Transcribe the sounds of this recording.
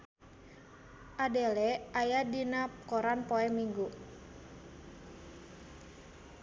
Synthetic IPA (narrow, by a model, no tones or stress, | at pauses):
ʔadɛlɛajadinakɔɾanpɔɛmiŋɡu